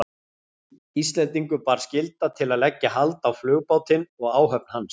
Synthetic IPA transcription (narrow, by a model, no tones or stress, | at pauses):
ist̪lɛnt̪iŋkʏpaːɾ̥scɪlt̪at̪ʰɪlaðlɛcːaɦalt̪awflʏːɣpaːwt̪ɪnɔɣaːwɦœp̚n̥hans